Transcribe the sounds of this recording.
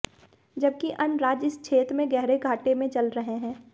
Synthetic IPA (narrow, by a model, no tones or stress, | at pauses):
d͡ʒɐb̚kiʔɐnɾaːd͡ʒɪst͡ʃʰeːt̪mẽɡɛɦɾeɡʱaːʈemẽt͡ʃɐlɾɐɦeɦɛ̃ː